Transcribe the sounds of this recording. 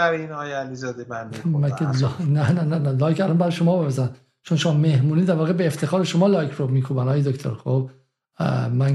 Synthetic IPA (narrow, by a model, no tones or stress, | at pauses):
æɾinɒːjeælizɒːd̪ebænd̪mæelnænænænælɒːjkʰælɒːnbæɾɒjeʃomɒːbepæzæn | t͡ʃʰonʃomɒmehmuːniːd̪æɾvɒːɣebeːft̪ʰe̞xɒːɾeʃomɒːlɒjkʰɾomiːkʰuːbænɒːjed̪okt̪ʰo̰ɾxob | mæn